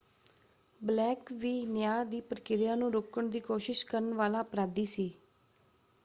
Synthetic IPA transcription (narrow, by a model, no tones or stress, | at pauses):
blɛːkʋiːnjaːd̪iːpɾəkɪɾɪjãːnũːɾoːkəɳd̪iːkoːʃɪʃkəɾəɳʋaːlaːəpɾaːd̪iːsiː